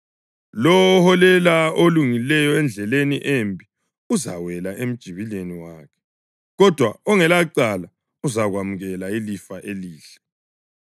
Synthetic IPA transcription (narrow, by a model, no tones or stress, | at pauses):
lɔwhɔlɛlaoluŋilɛjɔɛnd͡ɮʱɛleniʔembʱi | uza̰wɛlaʔem̩d̥ʒ̥ʱiβileniwaːkʰɛ̥ | ɣɔd̥ʱwaɔŋɛlaǀala | uzaɣwamuɣɛlailifaʔeliːɬɛ̥